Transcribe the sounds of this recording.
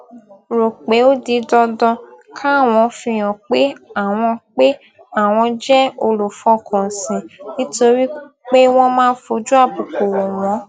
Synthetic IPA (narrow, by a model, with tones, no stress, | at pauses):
ɾo˨k͡pe˨˦o˦di˧dɔ˧dɔ̃˧ | kʰa˦a˦˨w̃ɔ̃˧fĩ˧j̃ɔ̃˨k͡pe˦a˨w̃ɔ̃˧k͡pe˦ | a˦˨w̃ɔ̃˧d͡ʒɛ˦o˧lo˨fɔ˧˦kʰɔ̃˨sĩ˨nĩ˦to˧ɾi˦ | k͡pe˦w̃ɔ̃˦mãː˦˧˦fo˧˦d͡ʒu˦a˦˨bu˨ko˨wo˨wɔ̃˨˦